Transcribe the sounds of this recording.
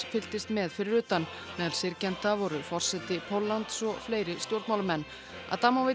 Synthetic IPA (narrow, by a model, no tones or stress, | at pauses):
fɪlt̪ɪst̪mɛðfɪɾɪɾʏːt̪an | mɛːðalsɪɾcɛnt̪avɔɾʏfɔr̥sɛt̪ɪpʰowlːant̪sɔɣfleːjɾɪst̪jowɾt̪mawlamɛnː | a̰ðt̪aːmawvɪ